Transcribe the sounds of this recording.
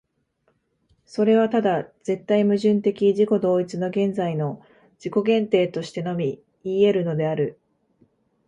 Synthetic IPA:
so̞ɾe̞β̞at̪ad̪az̥e̞t̪ːaimɯ̟ʑɨ̃nt̪e̞kʲiʑiko̞d̪o̞ːit͡sɨno̞ɡẽ̞nd͡zaino̞ | d͡ʑ̥iko̞ɡẽ̞nt̪e̞ːt̪o̞ɕi̥t̪e̞no̞mʲi | iːe̞ɾɯ̟no̞d̪e̞aɾɯ̟

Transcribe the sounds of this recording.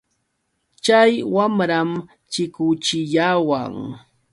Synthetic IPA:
t͡ʃajwamɾam | t͡ʃɪkʊt͡ʃɪʎawa̰ŋ

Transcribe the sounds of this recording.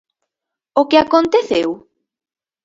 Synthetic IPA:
okeakont̪eθew

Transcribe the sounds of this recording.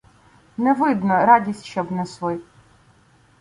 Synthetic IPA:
nɛʋɪd̪nɔɾɑdʲisʲtʲʃt͡ʃɔbnɛsʋɔj

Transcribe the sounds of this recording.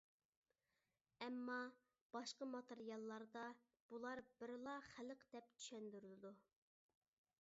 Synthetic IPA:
ɛmːɑ | b̥ɑʃqəmɑt̪ʰeɾijɑlˠːɑɾd̪ɑ | b̥ulˠɑɾbɪɾlˠɑχæləqd̪̥ɛp̚t͡ʃ̪ʰy̥ʃɛnd̪yɾylɪd̪u

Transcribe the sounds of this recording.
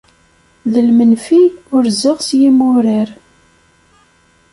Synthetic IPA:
ðəlmənfiʊɾzəʁsjimʊɾəɾ

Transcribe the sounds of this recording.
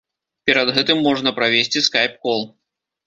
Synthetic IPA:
pʲɛɾɐd̪ɣɛt̪ɨmːɔʐnɐpɾavʲesʲt͡sʲiskajp̚kɔlˠ

